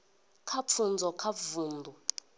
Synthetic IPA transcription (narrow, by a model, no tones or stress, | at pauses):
kʰap̪fʰund͡zʱɔkʰavuːndʱu